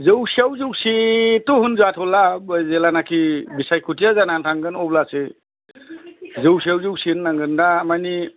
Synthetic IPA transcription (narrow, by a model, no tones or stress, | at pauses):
zɯwsiawzɯwsitɔɦunzuatʰɔlabəjzelanakʰibisajkʰutijazanantʰaŋɡɯnɔblase | zɯwsiawzɯwsiɯnːaŋɡɯndamajni